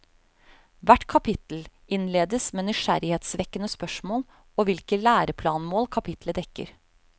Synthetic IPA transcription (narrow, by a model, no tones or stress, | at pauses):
ʋæʈkʰɑpʰɪt̪l̩ | ɪnleːd̪əsmeːnʏʃæ̰ɾɪheːt̪sʋɛkːənəspœʂmoːl | oʋɪlkəlæːɾəpʰlɑːnmoːlkʰɑpʰɪt̪ʰləd̪ɛkːə̰ɾ